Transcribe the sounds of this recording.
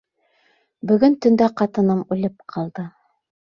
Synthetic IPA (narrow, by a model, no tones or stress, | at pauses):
bɵ̆ɡɵnt̪ɵ̆nd̪æqɑt̪ɤ̆nɤmʉlɘp̚qʰɑlˠd̪ɤ